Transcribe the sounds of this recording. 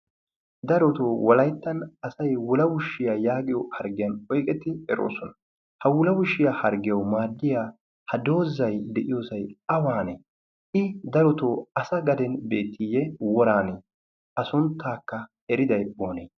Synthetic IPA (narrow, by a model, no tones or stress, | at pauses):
d̪ɐɾɔt̪oːwɔlɐjt̪ːɐnɐsɐjwʊlɐwʊʃːɪjaːjaːɡɪjɔhɐɾɡɪjɐnɔjkʼɛt̪ːɪɛɾo̰ːsɔnɐ | hɐwʊlɐwʊʃːɪjaːhɐɾɡɪjɐwmaːd̪ːɪjaː | hɐd̪o̞ːzːɐjd̪ɛʔɪjo̞ːsɐjɐwaːneː | ɪd̪ɐɾɔt̪oːɐsɐɡɐd̪ɛnbe̞ːt̪ʰːijɛwɔɾaːne | ʔɐsʊnt̪ʰːaːkːɐ | ɛɾɪd̪ɐjboːneː